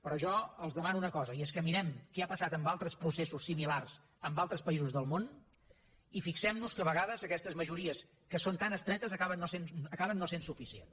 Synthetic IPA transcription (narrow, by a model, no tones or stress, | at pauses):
pɾɔʒɔəlˠzðəmanuunəkɔzəiɛskəmiɾɛmkɛapəsat̪əmbalˠt̪ɾəspɾusesusːimilars | əmbalˠt̪ɾəspəizuzðəlˠmon | ifiksɛmnuskəβəɣaðəzəkɛst̪əzməʒuɾiəs | kəsont̪anəst̪ɾɛt̪əzəkaβənːosenəkaβənːosensufisiḛn